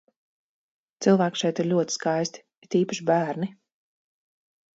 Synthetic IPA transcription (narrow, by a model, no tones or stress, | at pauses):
t̪silˠvæːkʃɛjt̪iɾlʲuɔt̪i̥skajst̪i̥ | it̪iːpaʃibæːɾni